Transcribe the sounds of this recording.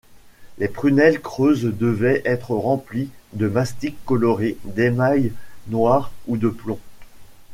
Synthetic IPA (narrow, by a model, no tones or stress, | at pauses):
lepχynɛlkχøzd̪əvɛʔɛt̪χəʁɑ̃plid̪əmast̪ikːɔlɔʁed̪emajnwaʁud̪əplɔ̃